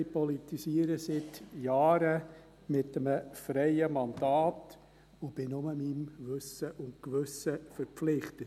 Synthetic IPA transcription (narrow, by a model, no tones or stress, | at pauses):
ɪpɔlitisiːəɾəsɪtjaːɾə | mɪtəməfɾɛɪəmɑnd̥aːt | ʊb̥ɪnʊməmimvʏsəʔʊntkʋʏsəfəɾpflɪχtət